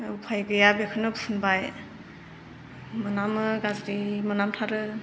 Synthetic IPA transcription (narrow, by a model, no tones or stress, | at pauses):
upʰajɡɯjabekʰɯnɯbsʰunbaj | mɯnamɯɡazɾimɯnamtʰaɾɯ